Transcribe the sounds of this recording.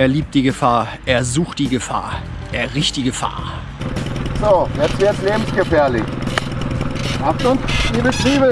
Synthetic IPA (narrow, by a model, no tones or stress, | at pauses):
ʔeːɐliːp̚t̚d̥iːɡəfaːɐʔeːɐzuːxtd̥iːɡəfa̰ːɐ | ʔeːɐʁɪçt̚d̥iːɡəfa̰ːɐ | z̥oːjɛsv̥ɪɐtsleːbm̩sɡ̥əfɛɐlɪç | aftʊntd̥ibətv̥iːbə